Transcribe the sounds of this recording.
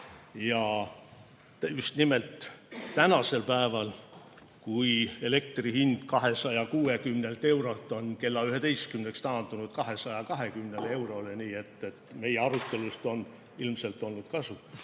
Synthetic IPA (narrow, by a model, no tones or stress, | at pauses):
jɑ | just̪nime̞lt̪ˑːænɑse̞lpæevɑl | kuie̞le̞k̚t̪rihind̪̥kɑɦe̞sɑjɑkuːe̞kymne̞lt̪e̞wɾolt̪ːˑo̞nke̞lːɑyɦe̞d̪e̞jst̪kymne̞kst̪ɑːnd̪̥unud̪̥̚kɑɦe̞sɑjɑkɑɦe̞kymne̞le̞wɾo̞leniːe̞t̪ːˑe̞t̪ːme̞jeɑɾut̪ːˑe̞lust̪o̞n | ilmse̞lt̪ːˑo̞lnud̪̥kɑsu